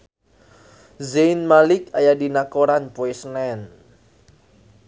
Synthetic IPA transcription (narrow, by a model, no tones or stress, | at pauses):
zenmalɪkajadinakoɾanpoesnɛn